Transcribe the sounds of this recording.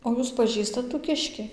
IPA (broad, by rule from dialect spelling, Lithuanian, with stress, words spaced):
oː ˈjuːs pɐˈʒʲiːstɐt tuː ˈkʲɪʃʲkʲɪ